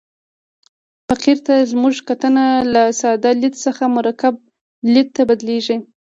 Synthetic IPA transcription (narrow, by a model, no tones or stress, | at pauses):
faqiɾt̪azmuʒkat̪ənalasɑd̪ɑlɪd̪səxamʊɾakab̚ | lɪt̪̚t̪ːabad̪leʒi